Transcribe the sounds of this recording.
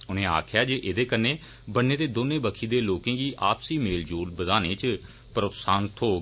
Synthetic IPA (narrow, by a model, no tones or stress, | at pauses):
ʊnẽːa̰ːkʰjaːd͡ʒeːʔɪd̪eːkənːẽː | bənːeːd̪eːd̪oːnẽːbəkʰiːd̪eːloːkẽːɡiːʔaːpsiːmeːld͡ʒoːlbəd̪aːnẽːt͡ʃ | pəɾot̪saːnt̪ʰɦoːɡ